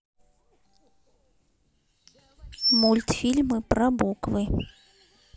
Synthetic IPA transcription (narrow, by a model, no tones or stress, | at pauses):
mulʲt̪fʲilʲmɨprɐbukvɨ